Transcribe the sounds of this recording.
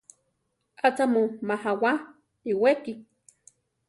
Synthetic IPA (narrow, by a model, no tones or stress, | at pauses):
at͡samomahawa | iweki